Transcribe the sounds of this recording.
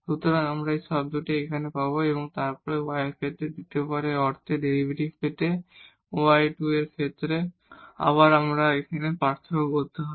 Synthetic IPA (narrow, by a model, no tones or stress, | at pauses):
ʃut̪oɾanamɾaeʃɔb̚d̪oʈeekʰanepaboeboŋt̪aɾpɔɾeoajeɾkʰet̪ːɾed̪it̪epɔɾeɔɾt̪ʰeɖeɾibʱeʈibpet̪e | oajʈueɾkʰet̪ːɾe | a̰βaɾamɾaekʰanepaɾt̪ʰaokoɾt̪eɦae